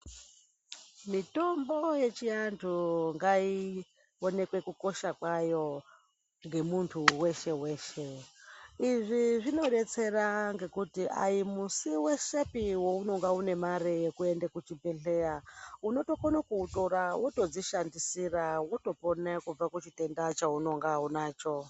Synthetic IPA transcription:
mito̞mbo̞je̞t͡ʃiantʰuŋɡai | one̞kwe̞kuko̞ʃakwajo̞ | ŋɡe̞muntʰuwe̞ʃe̞we̞ːʃe̞ | iʐiʐino̞ɗe̞t͡se̞raŋɡe̞kutiʔa̰jimusiwe̞ʃepiwouno̞ŋɡaune̞maɾejekue̞ndekut͡ʃibʱe̞ɬe̞jauno̞to̞konakuutoɾawʔoto̞d͡ziʃandisirawoto̞po̞nakub͡vakut͡ʃite̞ndat͡ʃauno̞ŋɡaunaːt͡ʃo̞

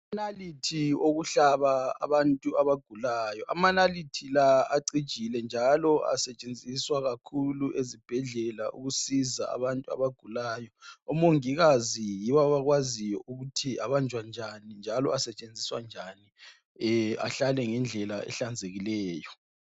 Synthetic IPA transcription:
analitʰioɣuɬaβaa̰βantʼuaβaɡ̥ʱulajɔʔamanalitʰilaaǀid̥ʒ̥ʱilɛnd͡ʒʱalɔa̰sɛt͡ʃʼend͡zʱiswaɣakʰuluʔezib̥ʱɛɮɛlaʔṵɣusiza̰a̰βantʼua̰βaɡ̥ʱulaːjɔɔmoŋiɣazijiβɔβaɣwazijɔʔuɣutʰiaβand͡ʒʱwand͡ʒʱanind͡ʒʱalɔ̰asɛt͡ʃʼend͡zʱiswa̰nd͡ʒʱani | a̰ɬalɛŋɛnd͡ɮʱɛlaɛ̰ɬand͡zʱeɣilɛːjɔ

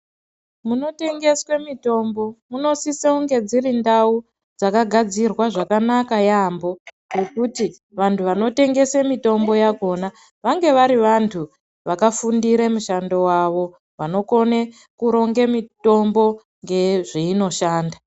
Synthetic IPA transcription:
muno̞te̞ŋɡe̞swe̞mito̞mbo̞muno̞siseuŋɡe̞d͡ziɾindau | d͡zakaɡʱad͡zirwaʐakanakajaːmbo̞ | rekuti | ʋantʰuʋano̞te̞ŋɡe̞semito̞mbo̞jaɡʱo̞na | ʋaŋɡe̞ʋaɾiʋantʰu | ʋakafundiɾemuʃando̞waʋo̞ | ʋano̞ko̞ne | kuɾo̞ŋɡemito̞mbo̞ | ŋɡe̞ʐiino̞ʃaːnda

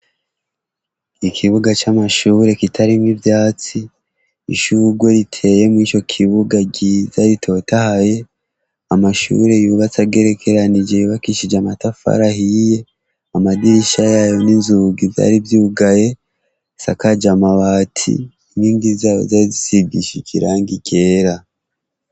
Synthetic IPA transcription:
ikʰiβuɡat͡ʃamaʃuːɾe̞kitʰaɾimŋivjaːt͡si | ḭʃuɡwe̞ɾitʰe̞je̞mwiːt͡ʃo̞kʰiβuɡaɟizaɾitʰo̞tahaje̞ | amaʃṵːɾe̞juːβat͡saɡe̞ɾe̞kʰe̞ɾanid͡ʒe̞juβakiʃid͡ʒamatafa̰ɾahije̞ | amadiɾiʃajajo̞ninzuɡivja̰ːɾivjuːɡaje̞ | sa̰kad͡ʒamaβatʰḭ | niːndizajo̰zaɾizisiɡiʃikiɾaːŋɡiɟe̞ːɾa

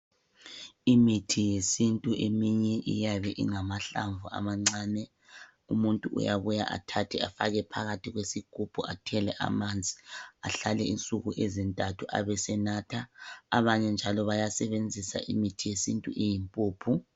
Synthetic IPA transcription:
imitʰijesintʼuʔemiɲɛʔḭjaβɛʔḭŋamaɬaɱvuʔa̰maŋ͡ǀaːnɛ | umuntʼuʔṵjaβuja̰ʔa̰tʰatʰɛafaɣɛpʰaɣatʰiɣwesikupʰuatʰɛlɛʔa̰mand͡zʱi̥a̰ɬalɛint͡sʼuɣuʔezintʼatʰuʔa̰βɛsɛnatʰaːβaɲɛnd͡ʒʱalɔβajasɛβend͡zʱisa̰ʔimitʰijesintʼṵʔijimpʼuːpʰu

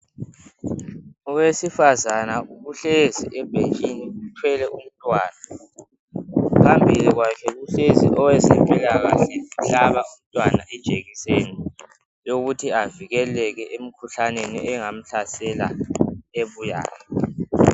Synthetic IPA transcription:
ɔwesifazanauɣuɬeziʔɛb̥ʱend͡ʒʱʼiniutʰwɛlɛʔum̩tʼwaːna | pʰambʱiliɣwakʰɛɣuɬezḭʔɔwɛzɛ̰mpʼilaɣa̰ɬɛuɬaβaum̩tʼwana̰ʔɛd̥ʒ̥ʱeɣiseni | joɣutʰiaviɣɛlɛɣɛʔem̩kʰuɬanenḭɛŋam̩ɬasɛla̰eβuja̰ːjɔ

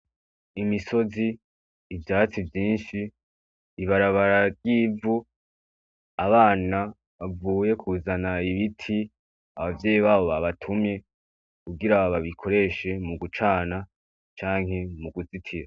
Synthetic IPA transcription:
imiso̞ziː | vjaːt͡sivjiːnʃiː | βaɾaβaɾaɾjiːvu | aβaːna | βavuːje̞kʰuːzanaiβitʰi | a̰βavje̞ːjiβaːβo̞βaβatʰumɲe̞ | kuɡiɾaβaβikʰo̞ɾe̞ʃe̞muɡut͡ʃaːna | t͡ʃaːŋ̥ɦe̞muɡut͡sitʰiɾa

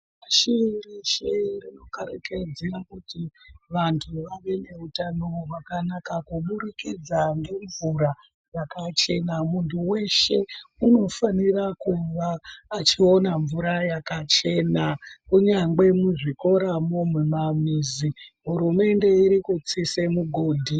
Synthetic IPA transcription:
aʃiiriʃerino̞kaɾeke̞d͡zerakutiʋantʰuʋaʋe̞ne̞utanoʋakanakakumuɾikid͡zaŋɡe̞ɱvuɾa | jakat͡ʃe̞namuntʰuwe̞ʃe̞uno̞fanirakuʋaːt͡ʃio̞naɱvuɾajakat͡ʃe̞nakuɲaŋɡe̞muʐiko̞ɾamomumamiːziɦuɾume̞nde̞iɾikut͡sisemuɡʱo̞ːdʱi

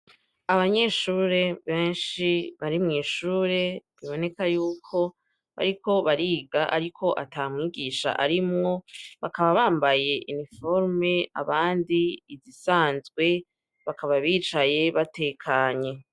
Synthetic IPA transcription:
aβaɲe̞ːʃuːɾe̞βe̞ːnʃiβaɾimŋiːʃuːɾe̞βiβone̞kajuːkʰo̞ | βa̰ɾiko̞βaɾiːɡaʔa̰ɾikʰo̞ʔa̰taːmŋiːɡiːʃa̰ʔaɾimŋo̞βakaβaβaːmbaje̞ʔinifo̞ɾme̞a̰βaːndiːzisaːnzɡwe̞ | βakaβaβiːt͡ʃaje̞βate̞kʰaɲe̞

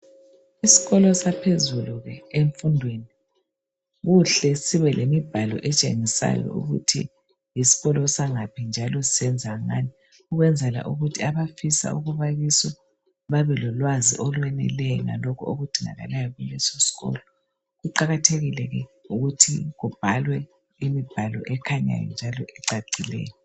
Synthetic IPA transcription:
isi̥ɣɔlɔsapʰezuluɣɛeɱfundʱweni | ɣuɬɛsiβɛlʔemib̥ʱalɔ̰ʔɛt͡ʃʼeŋisa̰jɔ̰ṵɣṵtʰḭ | jisi̥ɣɔlɔsaŋapʰind͡ʒʱalɔsisɛnd͡zʱaŋaːni | uɣwɛnd͡zʱɛla̰ʔuɣutʰiaβafisa̰uɣuβaɣisɔ | βaβɛlɔlwazḭʔɔlwɛnɛ̰lɛjɔŋa̰lɔkʰuoɣud̥ʱiŋa̰ɣa̰lajɔɣulɛsɔsi̥ɣɔ̰lɔ | ɣuǃaɣatʰeɣilɛɣɛuɣutʰiɣub̥ʱalwɛ | imib̥ʱalɔ̰ʔɛkʰaɲa̰jɔ̰nd͡ʒʱalɔʔɛǀaǀilɛ̰ːjɔ

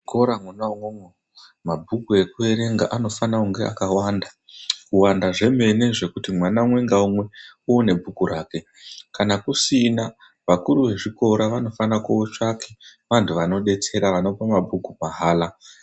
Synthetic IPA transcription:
koɾamwanauŋweŋwe | mabʱukue̞kue̞ɾe̞ŋɡaʔano̞fanauŋɡe̞a̰kawanda | kuwandaʐe̞me̞ne̞ʐe̞kutimwanamwe̞ŋɡaumwe̞uone̞bʱukuɾaːke̞ | kanakusina | ʋakuɾuʋe̞ʐiko̞ɾaʋano̞fanakuot͡ʃakʰeʋantʰuʋano̞ɗe̞t͡se̞ɾaʋano̞pamabʱukumaɦaːla

